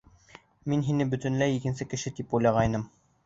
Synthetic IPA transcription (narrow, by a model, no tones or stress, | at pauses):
minɦinɘbɵ̆t̪ɘ̆nlæjikɘ̆nsɘkɘ̆ʃɘt̪ipujlˠɑʁɑjnɤm